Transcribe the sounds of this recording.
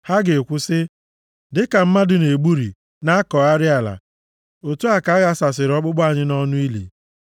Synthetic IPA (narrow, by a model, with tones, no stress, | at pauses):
ha˦ɡɪ˨kʷʊ˦sɪ˦ | dɪ˦ka˨m̩˦ma˦dʊ˨ne˨ɡ͡bu˦ɾḭ˨ | na˦a˦kɔ˨a˦ɾɪ˦a˨la̰˨ | o˨tu˦a˨ka˨˦ɣa˦sa˨sɪ˨ɾɔ˦k͡pʊ˦ɡ͡bɔ˦a˦˨ɲɪ˦nɔ˦nʊ˦i˦lḛ˨